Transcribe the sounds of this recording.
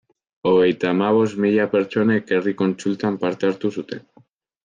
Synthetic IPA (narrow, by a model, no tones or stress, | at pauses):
o̞ɣe̞jt̪amaβ̞o̞zmiʎape̞ɾt͡ʃo̞ne̞keriko̞nsult̪ampaɾt̪eaɾt̪usut̪e̞n